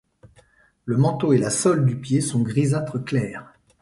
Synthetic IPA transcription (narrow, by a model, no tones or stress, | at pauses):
ləmɑ̃t̪oelasɔld̪ypjesɔ̃ɡʁizat̪χəklɛːʁ